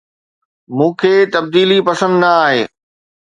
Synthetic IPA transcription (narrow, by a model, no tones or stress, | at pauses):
mũːkʰeːt̪ɐb̚d̪iːlipɐsə̃nd̪nɐaːɦeː